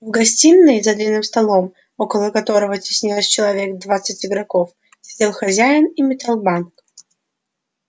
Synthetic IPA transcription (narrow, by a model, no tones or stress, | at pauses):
vɡɐsʲtʲinːɨjzɐd̪lʲinːɨmst̪ɐlˠom | okəlˠəkɐt̪o̞ɾəvətʲɪ̥sʲnʲilˠəsʲt͡ɕɪlˠɐvʲe̞kd̪vat̪sɨtʲɪɡɾɐkof | sʲɪdʲelˠxɐzʲæjɪnimʲɪt̪alˠbank